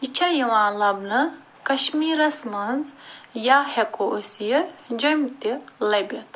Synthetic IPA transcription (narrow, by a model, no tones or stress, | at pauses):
it͡ʃʰɐjiʋãːlɐbnɐ | kɐʃmiːɾɐsmɐnzjaːhekoʔosijəd͡ʒojmt̪ilɐbʲɐt̪